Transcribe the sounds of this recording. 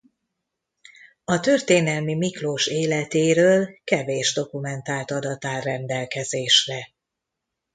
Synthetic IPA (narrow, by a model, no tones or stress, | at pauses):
ɒt̪ø̞rt̪eːnɛlmimikloːʃeːlɛt̪eːɾøːlkɛveːʒd̪o̞kumɛnt̪aːlt̪ɒd̪ɒt̪aːlrɛnd̪ɛlkɛzeːʃrɛ